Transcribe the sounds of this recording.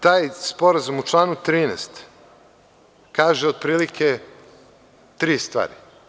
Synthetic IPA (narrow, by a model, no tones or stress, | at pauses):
t̪aːjspo̞ɾazumut͡ʃlˠaːnut̪ɾiːnɛ̰st̪ | kaːʒeo̞d̪̚pɾiːlikʰe | t̪ɾiːst̪vʋa̰ːɾi